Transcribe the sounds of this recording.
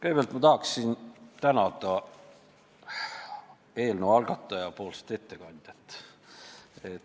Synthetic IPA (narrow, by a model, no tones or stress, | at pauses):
kjb̥elt̪mɑt̪ɑɦɑksint̪ænɑd̪ɑ | e̞ːlnoɑlɡ̥ɑt̪ːˑɑjɑpo̞ːlse̥t̪e̞t̪ːe̞kɑnʲd̪̥ʲjɑt̪ːˑ | et̪